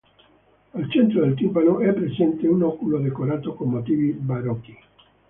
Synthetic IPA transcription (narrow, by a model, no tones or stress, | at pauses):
alt͡ʃent̪ɾoðelt̪imbanoʔɛpːɾesɛnt̪eunɔkuloðekoɾat̪okomːot̪iβibaɾɔki